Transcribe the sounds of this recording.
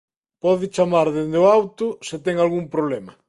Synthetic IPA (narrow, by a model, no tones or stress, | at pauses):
pɔðɪt͡ʃamaɾðend̪eoawt̪ʊsɪt̪ɛŋalɣuŋpɾoβlɛmɐ